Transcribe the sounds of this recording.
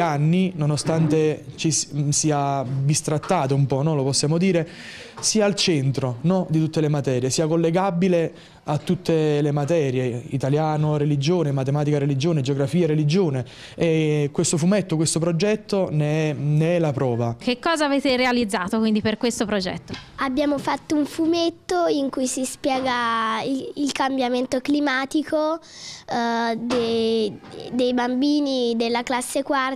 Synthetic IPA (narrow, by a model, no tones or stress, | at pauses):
anːinonost̪ant̪et͡ʃissiːabist̪ɾat̪ːaːt̪oumpɔnɔloposːjaːmod̪iːɾe | siːaːlt͡ʃɛnt̪ɾonɔd̪it̪ut̪ːelemat̪ɛːɾjesiːakolːeɡabile | at̪ːut̪ːelemat̪ɛːɾjeit̪aljaːnorelid͡ʒoːnemat̪emaːt̪ikaɾelid͡ʒoːned͡ʒeoɡɾafiːaɾelid͡ʒoːne | ekːwest̪ofumet̪ːokwest̪op̬ɾod͡ʒɛt̪ːoneɛneɛlapɾɔːvak̟ekːɔːzaːveːt̪eɾealid̪zːaːt̪okwind̪iperkwest̪opɾod͡ʒɛ̰t̪ːoabjaːmofat̪ːouɱfumet̪ːoiŋkujsispjɛːɡa | ilkambjament̪oklimaːt̪iko | d̪e | d̪ejbambiːnid̪elːaklasːekwar